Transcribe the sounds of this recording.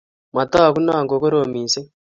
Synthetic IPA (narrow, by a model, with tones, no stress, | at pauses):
ma˨t̪a˦˨ku˦na˦˨ŋɡo˨ko˦ɾo˨miː˨se˦